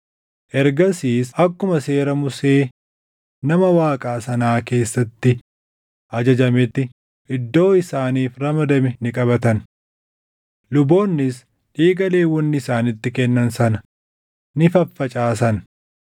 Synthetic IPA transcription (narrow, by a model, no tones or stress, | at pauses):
ʔɛɾɡɐsiːsɐkːʊmɐse̞ːɾɐmʊse̞ː | nɐmɐwaːkʼaːsɐnaːke̞ːsːɐt̪ːɪ | ʔɐd͡ʒɐd͡ʒɐmɛt̪ːɪ | ʔɪd̪ːo̞ːɪsaːniːfɾɐmɐd̪ɐmɛnɪkʼɐbɐt̪ɐn | lʊbo̞ːnːɪs | ᶑiːɡɐle̞ːwɔnːɪɪsaːnɪt̪ːɪkɛnːɐnsɐnɐ | nɪfɐfːɐt͡ʃʼaːs̬ɐn